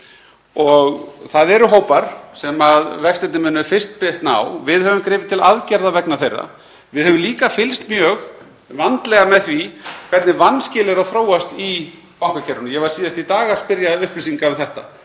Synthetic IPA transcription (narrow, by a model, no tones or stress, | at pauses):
ɔɣθaðɛɾʏɦoːwpaɾ̥sɛmaðvɛkst̪ɛnt̪ɪmɪnːʏfɪr̥st̪pɪht̪na̰wvɪðhœvʏmkɾɪːvɪ̥t̪ʰɪlaðcɛɾðavɛknaɾθejrːa̰ | vɪðhœvʏmliːkafɪlst̪mjœːɣ | vant̪lɛɣamɛðθvikʰvɛt̪nɪvanːscɪːlɪɾawθɾoːwast̪i | pawŋkacʰɛɾʏnʏjɛvḁsiːðast̪it̪aːɣaspɪɾjaʏhplisiŋkaʏθɛht̪a̰